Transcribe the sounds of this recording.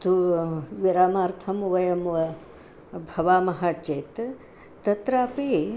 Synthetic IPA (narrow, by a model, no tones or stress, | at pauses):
t̪uʋiɾaːmaːɾt̪ʰɐmʋɐjɐmʋɐ | bʱɐʋaːmɐɦaːt͡ʃet̪ | t̪ɐt̪ɾaːpe